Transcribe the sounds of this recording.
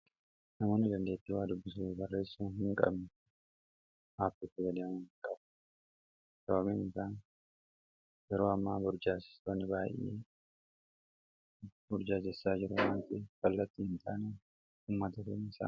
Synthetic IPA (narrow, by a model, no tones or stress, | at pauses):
nɐmoːnɪd̪ɐnd̪e̞ːt̪ːɪwaːd̪ʊbːɪs̬uːbɐrːe̞ːsːuːnhɪŋkʼɐ̰bnɪ | ʔaːfɪt̪ːɪɡɐd̪enkʼɐb | kʼɐbɐmenɪsaːn | jɛɾo̞ːɐmːaːbʊɾd͡ʒaːsɪ̥st̪oːnːɪbaːjʔʔḛː | bʊɾd͡ʒaːd͡ʒɛsːaːd͡ʒɪɾʊmaːnt̪ɪkɐlːɐt̪ːihɪnt̪ʰaːne | ʊːmːɐt̪ɐd̪eːnɪsa̰ːn